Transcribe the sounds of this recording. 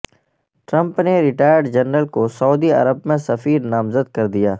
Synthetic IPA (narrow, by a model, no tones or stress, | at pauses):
ʈɾə̃mpneɾɪʈaːjəɾɖd͡ʒənɾəlkosəuːd̪iɐ̰ɾəb̚mẽsɐfiːɾnaːmzəd̪̚kɐɾd̪ijaː